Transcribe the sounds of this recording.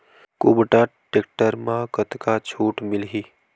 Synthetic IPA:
kubʈaʈeːkʈəɾmãkət̪kat͡ʃʰuːʈmɪlɦiː

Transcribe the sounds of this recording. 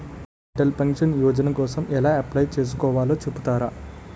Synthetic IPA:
ɐʈɐlpɐŋkʂɐnjɔːd͡ʒɐnɐkɔːsɐmɛlaːɐplɐjt͡ʃe̞ːs̬u̥kɔːʋaːloːt͡ʃepːut̪aːɾa

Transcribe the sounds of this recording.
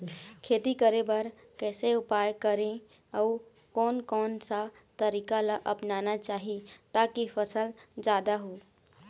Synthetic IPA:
kʰeːt̪ikəɾẽbɐɾ | kɛːseʊpaːjkəɾẽ | ɔː | kɔːnkɔːnsa | t̪əɾiːkalaʔəpnaːnat͡ʃaːɦit̪aːkifʰəsəld͡ʒaːd̪aɦoː

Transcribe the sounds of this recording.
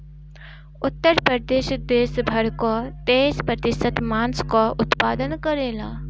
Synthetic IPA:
ʊt̪ːəɾpɾəd̪eːɕəd̪eːsbʱɐɾkɔt̪eːspɾət̪ɪsət̪maːnskɔʔʊt̪paːd̪ənkəɾeːla̰ː

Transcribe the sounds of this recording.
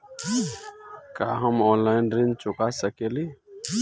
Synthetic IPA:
kaɦəmɔnlaɪnɾent͡ʃʊkasəkeli

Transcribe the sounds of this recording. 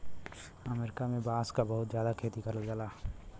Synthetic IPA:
əmeːɾɪkamẽbaːskabɐɦʊt̪zjaːd̪akʰeːt̪ikɐɾəld͡ʒəlaː

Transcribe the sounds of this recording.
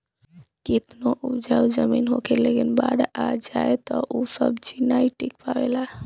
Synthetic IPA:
kit̪noʔud͡ʒawd͡ʒəminɦokʰelekinba̰ɽad͡ʒaet̪ɔʔusə̰bd͡ʒinaiʈikpaʋela

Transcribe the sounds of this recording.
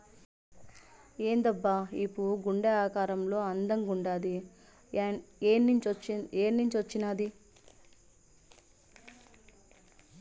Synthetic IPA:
eːnd̪ɐbːaipːuɡuɳɖɐaːkaːɾɐmlo̞ːɐnd̪ɐŋɡuɳɖaːd̪i | eːnːiɲt͡ʃiʋɐt͡ʃːinaːd̪i

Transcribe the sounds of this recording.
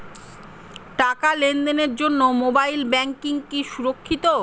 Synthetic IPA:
ʈakalend̪eneɾd͡ʑonːomobajlbɛŋkiŋkiʃuɾokʰːit̪o

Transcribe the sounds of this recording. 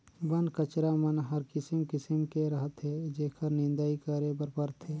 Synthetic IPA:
bənkət͡ʃɾamɐnɦɐɾkɪsəmkɪsəmkeɾɐɦət̪ɦed͡ʒeːkʰəɾnɪ̃nd̪aːikaːɾebəɾpəɾt̪ɦeː

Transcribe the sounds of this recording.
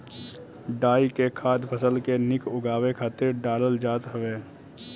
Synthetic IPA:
ɖaːikekʰaːd̪pʰəsəlkenɪkʊɡaːwekʰaːt̪eɖaːləld͡ʒaːt̪ɦəʋeː

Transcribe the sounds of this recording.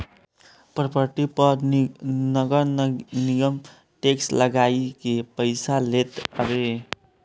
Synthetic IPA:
pɾəpəɾʈipəɾnəɡəɾnijəm | ʈeksləɡaikepəɪsalet̪ɾe

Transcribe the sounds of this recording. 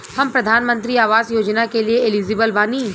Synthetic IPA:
hɐmpɾɐd̪ʱaːnmə̃nt̪ɾiaːʋaːzjoːd͡ʒnakelieɪliːzɪbəlbaːnĩː

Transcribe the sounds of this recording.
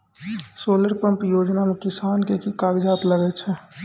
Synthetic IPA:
soːləɾpəmpjoːd͡ʒnamekɪsaːnkekikaɡd͡ʒaːt̪ləɡɛt͡ʃʰɛ

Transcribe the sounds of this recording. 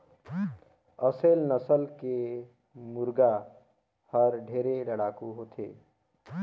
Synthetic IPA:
əselnəsəlke | muɾɡa | həɾɖʱeɾeləɽakuɦot̪ʰe

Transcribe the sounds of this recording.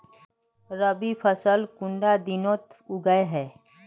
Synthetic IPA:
ɾəbipʰəsəlkʊɳɖad̪ɪnõːt̪ʊɡəeɦɛː

